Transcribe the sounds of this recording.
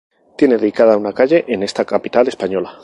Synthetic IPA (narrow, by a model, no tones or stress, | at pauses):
t̪je̞ne̞ðeðikað̞aunakaʎe̞ʔene̞st̪akapit̪ale̞spaɲo̞la